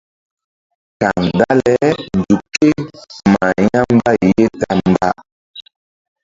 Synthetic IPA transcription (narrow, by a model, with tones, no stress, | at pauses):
ka˨ŋda˦lɛ˦n˨d͡zu˨ke˦ma˨ja˦m˦ba˦˨je˦ta˦m˨ba˦